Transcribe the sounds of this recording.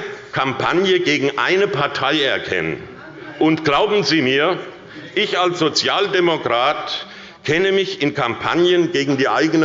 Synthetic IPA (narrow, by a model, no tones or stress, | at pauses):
kʰampʰa̰njəɡeːɡŋ̩ʔa̰ɪnəpʰaɐtʰaɪɛɐkʰɛ̰nə̰n | ʔʊntɡ̥laʊbm̩ziːmiːɐ | ʔɪçalsz̥ot͡sjaːldemokʁ̥aːt | kʰɛnəmɪçɪnkʰampʰa̰njənɡeːɡŋ̩diːʔa̰ɪɡənə